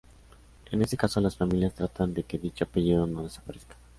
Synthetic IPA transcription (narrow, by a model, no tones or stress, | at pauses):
e̞ne̞se̞kaso̞lasfamiljast̪ɾat̪and̪e̞ke̞ðit͡ʃoape̞ʝiðo̞no̞ðe̞sḁpaɾe̞skḁ